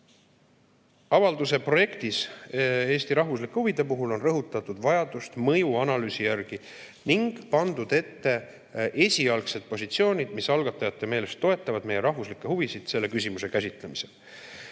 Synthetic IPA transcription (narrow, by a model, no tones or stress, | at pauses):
ɑvɑld̪use̞pro̞je̞kt̪ise̞ːst̪iɾɑɦvus̬likːˑehuvid̪e̞puɦulo̞nrɤɦut̪ːˑɑt̪ːˑud̪̥vɑjɑd̪̥ust̪mɤjuɑnɑlyːsijærɡ̥i | niŋɡ̥pɑnd̪ud̪̥e̞t̪ːe̞ | ʔe̞sʲiɑlkse̞d̪̥̚po̞sʲit̪sio̞ːnʲid̪̥misɑlɡ̥ɑt̪ːˑɑjɑt̪ːˑe̞me̞ːle̞st̪ːo̞e̞t̪ˑːɑvɑd̪me̞je̞ɾɑɦvuslikːˑe̞ɦuvisid̪̥se̞lːe̞kys̬ʲimuse̞kæsʲit̪ˑle̞mise̞l